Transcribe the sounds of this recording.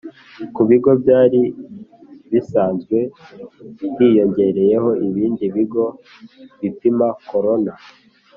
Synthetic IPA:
kuβiɡo̞bjaːɾi | βisaːnzɡwe̞ | hiːjo̞ɲɟe̞ɾe̞je̞ho̞ʔiβiːndiβiɡo̞ | βipimako̞ɾo̞na

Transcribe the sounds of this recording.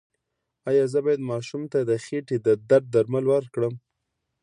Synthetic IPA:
ɑjɑzəbɑjad̪mɑʃumt̪ad̪əxeʈed̪əd̪aɾ̚d̪aɾmalwəɾkɽəm

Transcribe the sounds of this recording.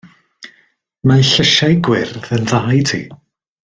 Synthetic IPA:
maɬəʃajɡwɪrðənðaːjtʰḭː

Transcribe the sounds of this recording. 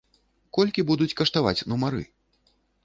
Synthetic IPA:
kɔlʲkʲibud̪ut͡sʲkɐʂt̪ava̰t͡sʲnumaɾɨ̰

